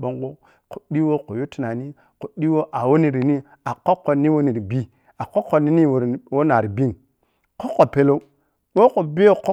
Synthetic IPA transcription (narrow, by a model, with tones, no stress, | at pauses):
ɓo˦ŋɡo˦ | ko˨di˦wo˦ko˨jo˦ti˨na˨ni˦ | ko˨ɗi˦wo˦ʔa˨wo˦ni˨ɾi˨ni˦ | a˨kːo˦kːo˨nːi˦wo˦ni˨ɾi˨bi˦ | a˨ko˦kːo˨ni˦ni˦wo˨wo˦na˨ɾi˨bi˦ŋ | ko˦ko˨pe˨˦lo˦ | wo˦ko˨bi˦o˦ko˦